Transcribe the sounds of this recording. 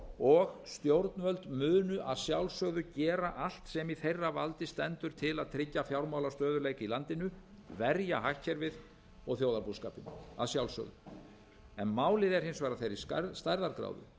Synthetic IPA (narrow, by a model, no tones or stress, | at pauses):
ɔɣst̪jowɾt̪nvœlt̪mʏːnʏʔaðsjawlsœːɣðʏcɛːɾaʔal̥t̪sɛmiθejrːava̰lt̪ɪst̪ɛnt̪ʏɾ̥t̪ʰɪlaðt̪ʰɾɪcːafjawɾmaːwlast̪œːðʏɾleːjcɪilant̪ɪnʏ | vɛɾjaɦahcʰːɛɾvɪð | ɔɣθjowðaɾpuskaːpɪna̰ðsjawlsœ̰ɣðʏ̰ | ɛnmaːwlɪðɛɾ̥hɪnsvaːɾaθejɾɪst̪ajɾðaɾkɾa̰ːwðʏ̰